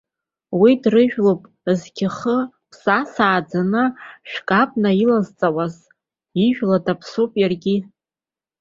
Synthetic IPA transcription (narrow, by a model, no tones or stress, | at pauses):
widrɨʒᶣlopʼ | zkʲʰɪχə | pʰsasaːd͡zanɨʃᶣkʼapʼnailazt͡sʼawaz | iʒᶣladapʰsopʼjarɡʲi